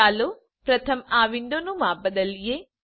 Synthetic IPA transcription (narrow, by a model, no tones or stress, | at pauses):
aːlo | pɾɐt̪ʰɐmaːʋind̪oːnumaːbɐd̪ɐlːijeː